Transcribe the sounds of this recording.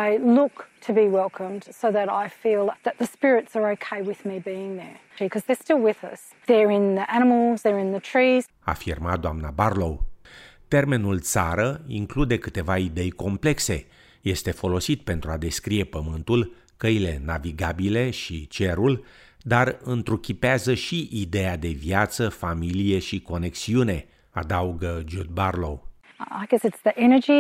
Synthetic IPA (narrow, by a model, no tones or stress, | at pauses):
aɪlʊktʰɨbiwɛlˠkʰə̃md̥soʊðəɾaɪfilˠðɨt̪̚ðɨspɪɹɪtsə˞oʊkʰeɪwɪðmibiɪ̃ŋðə˞ | ikʰʌzðə˞stɪlˠwɪðʌs | ðə˞ɪ̃nðiʔæñəml̩ˠzðə˞ɪ̃nðɨtʰɹ̥iz̥ | a̰firmad̪oamnabarlowt̪e̞rme̞nult̪sa̰ɾəḭŋklud̪e̞kɨt̪e̞vaid̪e̞jko̞mple̞kse̞̰ | je̞st̪e̞fo̞lo̞sit̪̚pe̞nt̪ɾuad̪e̞skɾije̞pəmɨnt̪ul | kəile̞naviɡabile̞ʃit͡ʃe̞ɾul | d̪arɨnt̪ɾukʲipeazəʃiʔid̪e̞ad̪e̞viat̪səfamilije̞ʃiko̞ne̞ksiune̞ | a̰d̪auɡəd͡ʒud̪̚barlow | aɪɡɛsɨtsðiʔɛnə˞d͡ʒi